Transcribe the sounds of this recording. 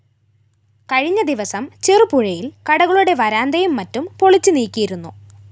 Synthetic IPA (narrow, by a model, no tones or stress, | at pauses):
kɐɻiɲːɐd̪iʋɐsɐmt͡ɕerɨpuɻɐjilkɐɽɐɣɐɭuɽe̞ʋɐɾaːnd̪ɐjumːɐtːumpo̞ɭit͡ɕːuniːkʲːijiɾunːu